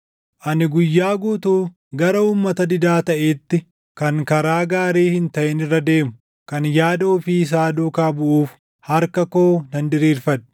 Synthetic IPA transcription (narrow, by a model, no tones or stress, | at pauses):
ʔɐnɪɡʊjːaːɡuːt̪uː | ɡɐɾɐuːmːɐt̪ɐd̪ɪd̪aːt̪ɐʔeːt̪ːɪ | kɐŋkɐɾaːɡaːɾeːhɪnt̪ɐʔɛnɪrːɐd̪e̞ːmʊ̥ | kɐnjaːd̪ɐʊfis̬aːd̪uːkaːbʊʔuːf | hɐɾkɐko̞ːnɐnd̪ɪɾiːɾfɐn